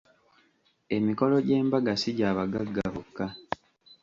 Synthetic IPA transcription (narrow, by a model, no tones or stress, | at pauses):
e̞miko̞lo̞ɟe̞ːmbaɡasiɟaːβaɡaɡːakokːa